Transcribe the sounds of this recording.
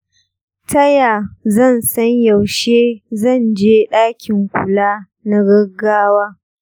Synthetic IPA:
tʰɐ˦jaː˨zɐ˦˨nsɐ˦ɲja˨wʃeː˦zɐ˦˨nd͡ʒeː˦ɗaː˦kʲɪ˨ŋkʷʊ˨laː˦ | na˦ɡɐ˦ɡːaː˦waː˦

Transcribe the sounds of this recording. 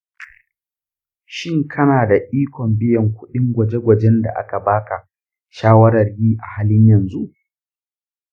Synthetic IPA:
ʃɪ˦ŋkʰɐ˦naː˨da˨ʔiː˦kʷɔ˨mbɪ˦jɐ˨ŋkʷʊ˦ɗɪ˦ŋɡʷɐ˨d͡ʒe˦ɡʷɐ˨d͡ʒɛ˦nda̰˨ʔa̰˦ka˨baː˦ka˨ | ʃaː˦wɐ˦ɾɐ˨rjiː˦ʔa˨haː˦lɪ˦ɲjɐ˨nzu˦ʔ

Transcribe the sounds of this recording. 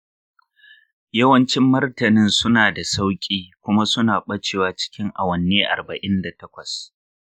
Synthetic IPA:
jɐ˦wɐ˦nt͡ʃɪ˦mːɐ˦rtɐ˨nɪ˦nsʊ˦naː˨da˨sa˦wkʲʼiː˦kʷʊ˦ma˦sʊ˦naː˨ɓɐ˦t͡ʃeː˨waː˦t͡ʃɪ̥˦kʲɪ˦ŋʔa̰˨wɐ˨nːeː˦ʔa̰˨rbɐ˨ʔɪ˦nda˨tɐ˦kʷɐ˨s

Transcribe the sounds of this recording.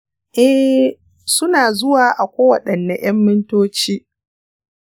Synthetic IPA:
ʔɛ˦h | sʊ˦naː˨zʊ˦waː˨ʔa˨kʷoː˦wɐ˨ɗɐ˨nːɐ˨j̰ɐ˦mːɪ˦ntoː˦t͡ʃiː˦

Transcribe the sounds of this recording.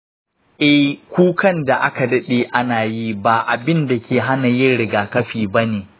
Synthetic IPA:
ʔɛ˦hkʷuː˦kɐ˦nda˨ʔa˦ka˨dɐ˦ɗeː˨ʔa˦naː˨ji˦baː˨ʔa˨bɪ˦nda˨kʲeː˨ɦa˦na˨jɪ˦nɽɪ˨ɡaː˨kɐ˦ɸiː˨bɐ˦neː˨

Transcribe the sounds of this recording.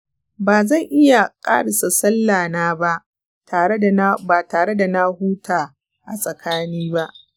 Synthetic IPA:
baː˨zɐ˦˨ŋʔɪ˦ja˨kʼa̰ː˦ɽa˨sa˨sɐ˦lːaː˨naː˦ba˦ʔ | taː˨˦˨baː˨taː˨ɽe˦da˨na˦huː˦taː˨ | ʔa˨sʼɐ˨kʰaː˦niː˦ba˦ʔ

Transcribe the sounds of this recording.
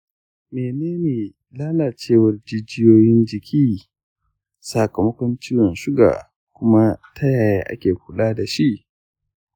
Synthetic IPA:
meː˨neː˦neː˨ | laː˦na˨t͡ʃeː˦˨wɐ˦rd͡ʒɪ˦d͡ʒɪ˦joː˦jɪ˦nd͡ʒɪ˨kʲʰiː˦ | sa˨kɐ˨mɐ˦kʷɔ˦nt͡ʃiː˦wɔ˨nʃʊ˦ɡa̰ː˨ | kʷʊ˦ma˦tʰa˦jaː˨jaː˦ʔa̰˦kʲeː˨kʷʊ˦laː˦da˨ʃi˦ʔ

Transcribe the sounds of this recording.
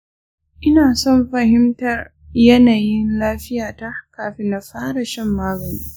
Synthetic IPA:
ʔɪ˦naː˨sɔ˦˨mɸɐ˨hɪ˦mtɐ˨r | jɐ˦naː˨jɪ˦nlaː˦ɸɪ˦jaː˨ta˦kaː˨ɸe˦na˨ɸaː˦ɽɐ˨ʃɛ˦mːaː˦ɡɐ˨niː˦

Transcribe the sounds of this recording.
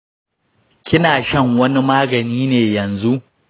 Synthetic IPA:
kʲɪ˦naː˨ʃɐ˦ŋwɐ˦ni˦maː˦ɡɐ˨niː˦neː˨jɐ˨nzu˦ʔ

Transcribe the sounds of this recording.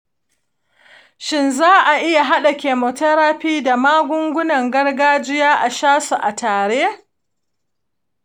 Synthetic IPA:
ʃɪ˦nzaː˦ʔa˨ʔɪ˦ja˨ɦa˦ɗa˨kʲeː˨mo˨tɐ˦ɾaː˦ɸiː˦da˨maː˦ɡʷʊ˦ŋɡʷʊ˦nɐ˨ŋɡɐ˦rɡaː˦d͡ʒɪ˦jaː˦ʔa˨ʃaː˦su˨ʔa˨taː˨ɽeː˦

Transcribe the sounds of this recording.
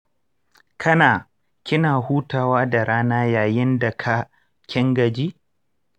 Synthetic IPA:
kʰɐ˦naː˨ | kʲɪ˦naː˨huː˦taː˨waː˦da˨ɾaː˦naː˦jaː˨jɪ˦nda˨kʰa˦ | kʲʰɪ˦ŋɡɐ˨d͡ʒiː˦

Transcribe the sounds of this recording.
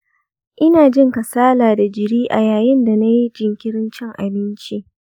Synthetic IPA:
ʔɪ˦naː˨d͡ʒɪ˦ŋka˨saː˦laː˨da˨d͡ʒɪ˨ɽiː˦ʔa˨jaː˨jɪ˦nda˨na˦ji˦d͡ʒɪ˨ŋkʲɪ˦ɽɪ˦nt͡ʃɪ˦ŋʔa̰˨bɪ˦nt͡ʃi˦ʔ

